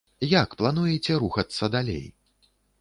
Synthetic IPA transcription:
jakplˠanujɛt͡sʲɛɾuxɐt̪sːɐd̪alʲḛj

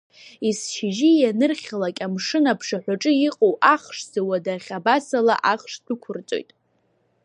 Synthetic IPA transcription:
isʃʰɪʒijanɨrχʲalakʲʼamʂɨnapʰʂaħʷᶣaʈ͡ʂʼɨjiqʼowʔaχʂz̥awadaχʲabasala̰ʔaχʂdɨkʷʰʊrt͡sʼo̞̰jtʼ

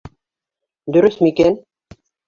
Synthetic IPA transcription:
d̪ɵ̆ɾɵsmiken

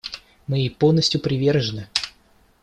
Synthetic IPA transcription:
mɨipolˠnəsʲtʲjʊpɾʲɪvʲe̞rʐənɨ

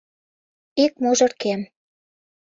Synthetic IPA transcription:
ik̚moʒɤ̆rkem

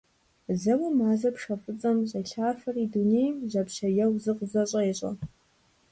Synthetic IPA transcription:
zɐwimaːzɐpʰʂɐfʼɨt͡sʼɐmɕʼɐɬaːrfɐridunejmʑʷɐpɕɐjɐwzɨqʼzɐɕʼɐjiɕʷʼɐ̰

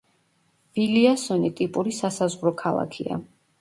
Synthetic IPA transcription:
viliasɔnit̪ʼipʼuɾisasazʁɾɔkʰalˠa̰kʰia̰

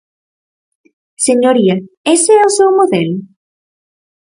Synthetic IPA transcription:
seɲoɾia | eseɛosewmoðɛl

